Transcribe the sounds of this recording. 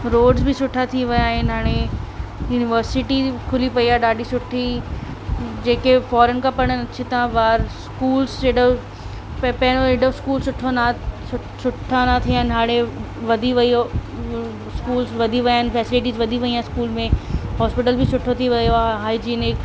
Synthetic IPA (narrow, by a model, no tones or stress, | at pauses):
ɾoːɖzbʱisʊʈʰat̪ʰiʋɐjaːɦẽnaːɽ̃ejuːnɪʋəɾsɪʈikʰʊlipɐiaːɖaːɖʱisʊʈʰi | d͡ʑeːkefɔːɾənkapɐɽ̃ənɐt͡ɕʰit̪ãʋaːɾskuːlseːɖə | ppɛːñoeɖəskuːlsʊʈʰona | sʊʈʰanat̪ʰiãnaːɽ̃e | ʋɐd̪ʱiʋɐio | skuːlsʋɐd̪ʱiʋɐjaːɦnfɛːsɪlɪʈiːzʋɐd̪ʱiʋɐiãskuːlmẽɦɔːspɪʈəlbʱisʊʈʰot̪ʰiʋɐjoɦaːid͡ʑiːnɪk